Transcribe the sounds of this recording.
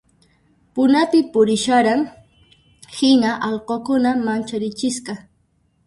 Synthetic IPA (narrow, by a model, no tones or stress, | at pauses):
pʊnapɪpʊɾɪʃaɾaŋ | hɪnaʔɑʎqokʊnamant͡ʃaɾɪt͡ʃɪsqɑ